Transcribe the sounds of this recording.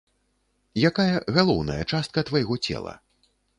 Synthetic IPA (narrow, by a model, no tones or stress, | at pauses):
jakajɐɣalˠɔwnɐ̰jɐt͡ʂast̪̚kɐt̪vajɣɔt͡sʲɛ̰lˠɐ̰